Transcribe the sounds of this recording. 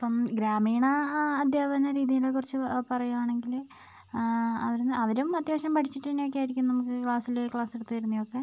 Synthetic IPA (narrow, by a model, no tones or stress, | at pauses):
ɐpːɐmɡɾaːmiːɳɐːd̪ʱjaːbɐnɐɾiːðijilekːurit͡ɕːɨpɐrɐjuaːɳe̞ŋɡil | ɐʋɐɾunɐʋɐɾumɐt̪jaːʂɐmpɐʈʰit͡ɕːiʈːnːejokʲːaːjiɾikʲːumnɐmukːɨkɭaːsilekɭaːseɽut̪ːuʋɐjɾunːijo̞kːe̞